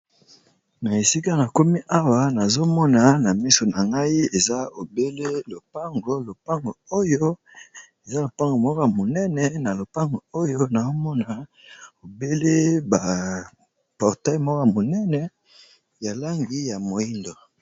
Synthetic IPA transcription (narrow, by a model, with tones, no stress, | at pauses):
na˨e˨si˦ka˦na˨ko˦mi˦ʔa˦wa˨na˨zo˦mɔ˦na˨na˨mi˦so˨na˨ŋɡa˦i˦e˨za˦o˨be˦le˦lo˨pa˦ŋɡo˦lo˨pa˦ŋɡo˨o˦jo˦ | e˨za˦lo˨pa˦ŋɡo˨mɔ˦ka˦˨mo˨nɛ˦nɛ˨na˨lo˨pa˦ŋɡo˨o˦jo˦na˨zo˦mɔ˦na˨ | o˨be˦le˦ba˨ | pɔ˨ʁtɛ˦mɔ˦ka˦˨mo˨nɛ˦nɛ˨ | ja˨la˦ŋɡi˨ja˨mo˨i˦ndo˨